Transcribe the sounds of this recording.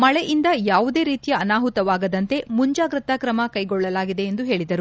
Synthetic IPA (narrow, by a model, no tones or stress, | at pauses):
mɐɭɛʔind̪ɐjaːʋud̪e̞ːɾiːt̪ijɐːnaːɦut̪ɐʋaːɡɐd̪ɐnt̪e̞muɲd͡ʒaːɡɾɨt̪ɐkɾɐmɐkɐjɡɔɭːɐlaːɡid̪e̞ːnd̪uɦe̞ːɭid̪ɐɾu